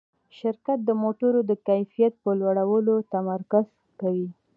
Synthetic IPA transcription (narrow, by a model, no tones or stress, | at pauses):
ʃɪɾkat̪̚d̪əmoʈʊɾod̪əkajfijat̪̚pəlwaɽawəlot̪amaɾkaz̥ | kawi